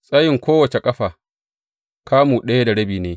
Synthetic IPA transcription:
sʼɐ˦jɪ˨ŋkʷoː˦wɐ˨t͡ʃe˨kʼɐ˦ɸaː˨ | kʰaː˦muː˨ɗɐ˦ja˦da˨ɽɐ˦biː˨neː˦

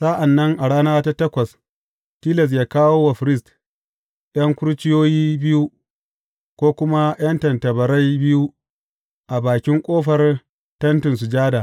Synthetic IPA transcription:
sa˦ʔa˨nːɐ˦ŋʔa˨ɽaː˦naː˦ta˦tɐ˦kʷɐ˨s | tiː˦lɐ˨s̬jaː˦kaː˦woː˦wa˨ɸɾɪ˦˨st | ɗɐ˦ŋkʷʊ˦ɾt͡ʃɪ˦joː˦jiː˦bɪ˦ju˦ | kʷoː˦kʷʊ˦ma˦j̰ɐ˦ntɐ˨ntɐ˨bɐ˨ɾa˦jbɪ˦ju˦ | ʔa˨baː˨kʲɪ˦ŋkʷʼoː˦ɸɐ˨r | tɐ˦ntɪ˨ns̬ʊ˨d͡ʒaː˦da˨

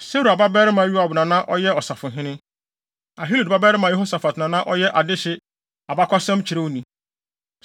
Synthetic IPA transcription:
se˦ɾu˨a˨ba˦bɛː˦ɾɪ˦mã˨˦ju˦a˨bʊ˨nã˨nã˦ʔɔ˦jɛ˦ɔ˨sa˨fʊ̃˨ɦɪ̃˦nɪ̃˦ | a˨ɦi˦lu˨dba˦bɛː˦ɾɪ˦mã˨jɛ˦ho˦sa˨fa˨tnã˨nã˦ʔɔ˦jɛ˦ʔa˨dɪ˦ɕɪ˦ | a˨ba˦kʷʰa˦sɛ̃˦mt͡ɕʰɪ˨ɾe˦o˦nĩ˨

